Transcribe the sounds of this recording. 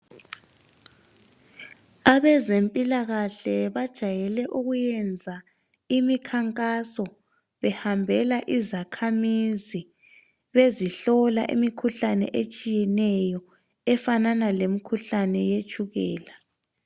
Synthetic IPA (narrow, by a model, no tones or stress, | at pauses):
aβɛzempʼilaɣaɬɛβad̥ʒ̥ʱajɛlɛʔuɣujɛnd͡zʱa | imikʰaŋkʼasɔ | βɛhambʱɛlaʔizakʰamizi | βeziɬɔla̰ʔḭmikʰuɬanɛ̰ʔet͡ʃʼijɛnɛjɔ | ɛfananalemikʰuɬanɛjet͡ʃʰʼuɣɛːla